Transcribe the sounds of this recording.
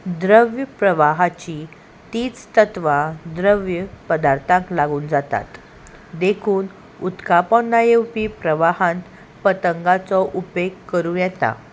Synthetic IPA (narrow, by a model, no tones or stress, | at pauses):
d̪ɾəʋjəpɾəʋaɦat͡ɕi | t̪iːt͡st̪ət̪ʋad̪ɾəʋjəpəd̪aɾt̪ʰãŋklaɡuːnd͡zat̪a̰t̪ | d̪ekʰuːn | ut̪kapɔnːajewpiːpɾəʋaɦãnt̪ | pət̪əŋɡat͡sɔʔupeɡkːəɾũːjɛt̪a̰